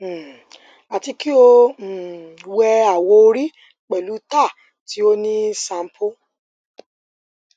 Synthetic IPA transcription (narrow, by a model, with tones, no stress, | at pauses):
a˨ti˧ki˦õ˧˨ | wɛ˧a˨wɔ˧o˧ɾi˦ | k͡pɛ˨lu˨˦ta˦˨ | ti˨˦o˦nĩ˦sã˧m̩˦pʰo˦